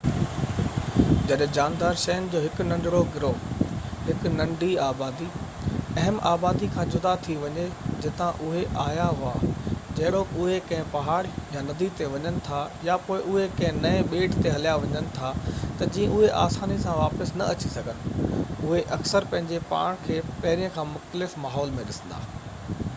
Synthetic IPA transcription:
d͡ʑɐɗɦẽd͡ʑaːnd̪aːɾʃɐjənɪ̆d͡ʑoːɦɪkʊnɐ̃ɳɖɪɽoɡɪɾoːɦɪknɐ̃ɳɖʱiaːbaːd̪i | ɐɦəma̰ːbaːd̪ikʰãːd͡ʑʊd̪at̪ʰiʋɐɲed͡ʑɪt̪ãʔʊɦeʔaːjaɦʊaːd͡ʑɐɦɪɽoʊɦekɐ̃ɦɪ̃pɐɦaːɽjanɐd̪it̪eʋɐɲənɪ̆t̪ʰajapoːɪʔʊɦekɐ̃ɦɪ̃nɐẽɓeːʈʰt̪eɦɐlijaʋɐɲənɪ̆t̪ʰat̪ɐd͡ʑĩːə̃ʔʊɦeʔa̰ːsaːnisãʋaːpəsnɐ̰ɐt͡ɕisɐɡʱənɪ̆ʊɦeʔɐksəɾpɐ̃ɦɪ̃ɲd͡ʑepa̰ːɽ̃kʰeːpɐɦɪɾijə̃kʰãːmʊxt̪əlɪfmaːɦɔːlmẽɗɪsə̃n̆d̪a̰ː

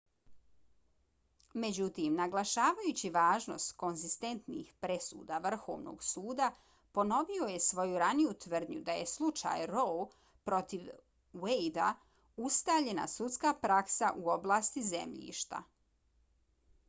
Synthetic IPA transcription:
me̞d͡ʑut̪iːmnaɡlˠaʃaːʋajut͡ɕiʋaːʒno̞̰st̪ko̞nzist̪e̞nt̪nḭxpɾesṵːd̪aʋr̩xoːʋno̰ɡsuːd̪a | po̞no̞ʋio̞je̞sʋo̞juɾanijut̪ʋr̩d̪ɲud̪aje̞slˠut͡ʃa̰jɾo | pɾo̞t̪iʋ | wejd̪a̰ | ust̪aʎe̞na̰sut̪skapɾaksaʔuo̞blˠaːst̪izḛmʎḭːʃt̪a̰

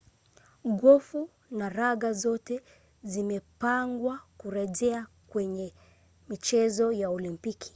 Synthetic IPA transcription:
ɣɔfu | naɾaɣazɔtɛ | zimɛpaŋɡwakuɾɛʄɛa | kwɛɲɛ | mit͡ʃɛzɔjaɔlimpikʰi̥

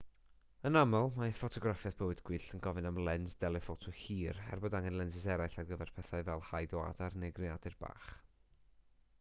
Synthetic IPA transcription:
ənamɔlˠmafɔtʰɔɡrafjaðb̥əwɨdɡ̥wɨːɬənɡɔvɨnamlˠɛnzdɛlˠɛfotʰɔhiːrɛ̰rbɔdaŋɛnlˠɛnsɪsɛɾajɬarɡəvɛrpʰɛθaɨvɛlˠhajdɔa̰darnɛɡrɪadɨrb̥a̰ːχ

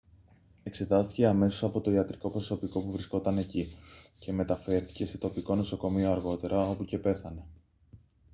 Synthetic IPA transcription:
e̞kse̞t̪ɐst̪i̥ce̞ɐme̞so̞sɐpo̞t̪o̞iɐt̪ɾiko̞pɾoso̞piko̞puvɾisko̞t̪ɐne̞cice̞me̞t̪ɐfe̞ɾθi̥ce̞se̞t̪o̞piko̞no̞so̞ko̞mioɐɾɣo̞t̪e̞ɾɐo̞puce̞pe̞θɐne̞

